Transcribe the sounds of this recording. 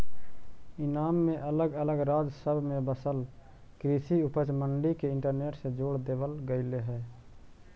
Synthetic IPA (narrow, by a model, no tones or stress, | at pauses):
ɪnaːmːẽʔələɡələɡɾaːd͡ʒsəbʱmẽbəsəl | kɾiːsiʊpət͡ʃməɳɖikeɪ̃ɳʈəɾneːʈsed͡ʒoːɽd̪eːbəlɡəɪleɦɛː